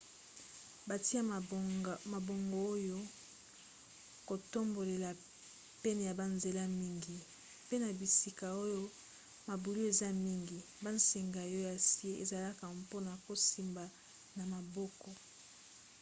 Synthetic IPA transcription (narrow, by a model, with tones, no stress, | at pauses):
ba˨ti˦a˦ | ma˨bo˨ŋɡo˨o˦jo˦ | ko˨to˦mbo˨le˨la˨ | pɛ˦ne˨ja˨ba˨nze˨la˦mi˦ŋɡi˨ | pe˦na˨bi˨si˨ka˨o˦jo˦ | ma˨bu˨lu˦e˨za˦mi˦ŋɡi˨ | ba˦n˦se˨ŋɡa˨o˦ja˨si˦e˦e˨za˨la˦ka˨mpo˦na˨ko˨si˨mba˨ | na˨ma˨bɔ˦kɔ˨